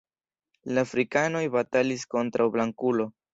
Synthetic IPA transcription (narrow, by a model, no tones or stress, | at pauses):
laːfɾikano̞jbatalisko̞ntɾʔawblaŋkulo̞